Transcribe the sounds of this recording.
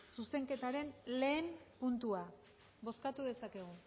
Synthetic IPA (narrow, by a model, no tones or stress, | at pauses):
suse̞ŋke̞t̪aɾe̞nle̞ːmpunt̪ua | βo̞skat̪uðe̞sake̞ɣ̞u